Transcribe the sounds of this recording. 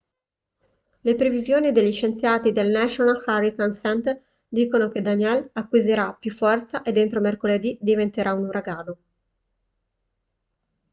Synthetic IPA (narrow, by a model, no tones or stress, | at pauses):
lepɾevizjoːnid̪eʎːit͡ʃent̪sjaːt̪id̪elnaʃonalxarit̪ansɛnt̪ | d̪iːkonok̟ed̪aniɛlakːwizeɾapjufːɔrt̪saʔed̪ːent̪ɾomerkoled̪id̪ivent̪eɾʔaunuɾʔaɡaːno